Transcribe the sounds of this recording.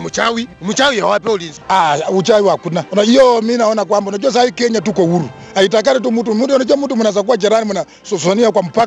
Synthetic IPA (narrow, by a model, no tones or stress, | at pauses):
mut͡ʃawimut͡ʃawiawapɛulinziaut͡ʃawiwakunaɔnaijɔminaɔnak̬wambanɔt͡ʃɔs̬aikɛɲatukɔwuɾu | ait̬ak̬aɾɛt̬umutumudɔnɔt͡ʃɔmutumunas̬ak̬uwad͡ʒɛɾanimuna | sɔsɔniak̬wam̩paka